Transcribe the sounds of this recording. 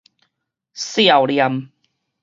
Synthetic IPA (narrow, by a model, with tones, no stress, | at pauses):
sja˨wlja˧m